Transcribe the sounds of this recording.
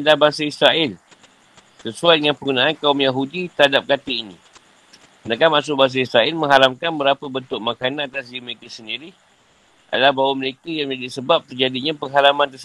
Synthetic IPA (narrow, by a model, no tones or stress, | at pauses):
lahbaŋsaisɾaʔɪl | səsuajdəŋanpəɡunaankaumjaɦudit̪əɾhadap̚kat̪əinḭ̃ | kənakanmaʔs̬ʊʔ̚baŋs̬aisɾaɪlmə̃ŋɦalamkanbəɾapəbənt̪ʊk̚makanaat̪asɡiməɾekəsəndiɾi | ʔa̰dalahbawaməɾekəjaŋd͡ʒadisəbap̚t̪ərd͡ʒadiɲapəŋɦalamãnt̪əsə